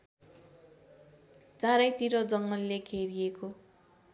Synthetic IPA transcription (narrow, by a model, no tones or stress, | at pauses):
t͡sãɾʌjt̪iɾʌd͡zʌŋːʌlːekʰeɾieko